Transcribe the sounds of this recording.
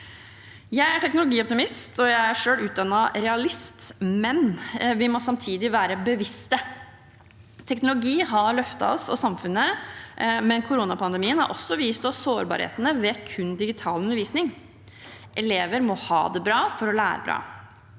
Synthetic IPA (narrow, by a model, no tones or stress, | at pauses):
jæɪæʈʰɛknʊlʊɡiːɔp̚t̪ɪmɪst̪ɔjæɪæʂøːlʉːd̪ɑnːɑɾɛɑlɪst̪mɛnʋɪmɔsɑmt̪ʰiːd̪ɪʋæːɾəbəʋɪst̪ə | t̪ʰɛknʊlʊɡiːɦɑɾɭœft̪ɑ̰ɔsɔ̰sɑmfʉnːə | mɛnkʰʊɾuːnɑpʰɑnd̪ɛmiːənhɑ̰ɾʔɔ̰sːɔʋiːst̪ɔsoːɾbɑ̰ːɾhḛːt̪ənəʋɛːkʰʉnd̪ɪɡɪt̪ʰɑːlʉnəɾʋiːsnɪŋ | ʔɛleːʋəɾmɔhɑ̰ːd̪ɛbɾɑːfɔɾɔlæ̰ːɾə̰bɾɑ̰ː